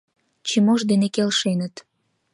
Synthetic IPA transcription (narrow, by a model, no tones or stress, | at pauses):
t͡ɕimoʒd̪enekelʃenət̪